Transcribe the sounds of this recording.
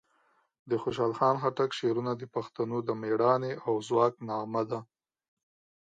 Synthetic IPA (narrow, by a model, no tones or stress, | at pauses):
d̪əxoʃ̬ɑlxɑnxaʈakʃeɾunad̪əpaxt̪anod̪əmeɽɑneʔawzwɑknɑmad̪a